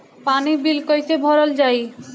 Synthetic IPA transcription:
panibilkojt̪ebʱɔɾold͡ʑaj

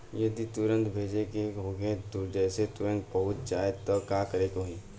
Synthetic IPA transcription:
jɐd̪it̪ʊɾə̃nt̪bʱeːd͡ʒekeɦoːɡẽt̪ʊd͡ʒɛːset̪ʊɾə̃nt̪̚bɐɦʊt̪̚d͡ʒaːet̪ɔkakɐɾeːkoɦĩː

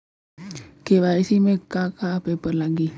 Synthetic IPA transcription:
keβaɾisimekːakapepərlaɡi

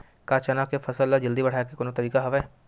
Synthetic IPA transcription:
kaːt͡ʃɐnakefʰɐsəlːad͡ʒɐld̪ibɐɽ̤aːekekoːnot̪ɐɾiːkaɦɐʋɛː

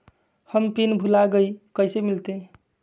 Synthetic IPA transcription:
həmpinbʱulaɡəikəjsemilt̪e

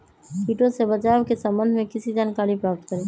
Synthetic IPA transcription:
piːʈõsebət͡ʃaːwkesə̃mbə̃nd̪ʱmẽkɪsid͡ʒaːnkaːɾipɾaːp̚t̪kəɾeː

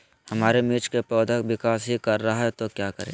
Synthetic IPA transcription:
hɐmaːɾemit͡ʃkepɔːd̪ʱəkʋɪkaːsɦikɐɾːɐɦaɦɛt̪okjaːkəɾḛ̃ː

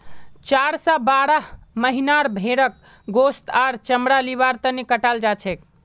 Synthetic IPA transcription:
t͡ʃaɾsɔbaɾəɦməɦinaɾbʱeɾək̚ | ɡost̪aɾt͡ʃəmɾaliβaɾt̪ənekəʈald͡ʒat͡ʃʰɛk

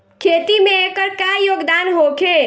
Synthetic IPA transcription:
kʰet̪imeekəɾkajoːɡd̪anɦokʰe

